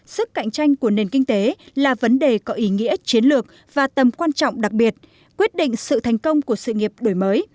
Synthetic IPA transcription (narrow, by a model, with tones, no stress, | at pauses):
sɨ˦˥kːa̰˧˨jŋ̟t͡ɕa˧jŋ̟ku˧˩əne˨˩nkï˧ŋ̟t̪e˨˦laː˨˩və˨˦nɗe˨˩kɔ˨˦ʔi˨˦ŋḭ˧˥ət͡ɕi˨˦ənlɨ˨˩ək̚ | v̥aː˨˩t̪ə˨˩mkwaː˧nt͡ɕɔ̰˧˨wŋ͡mɗa˨˩k̚ɓi˨˩ət̚ | kwi˦˥ət̚ɗḭ˧˨ŋ̟sɨ̰˧˨t̪ʰɛ˨˩jŋ̟kə˧wŋ͡mku˧˩əsɨ̰˧˨ŋi˨˩əp̚ɗo˧˩jməː˨˦j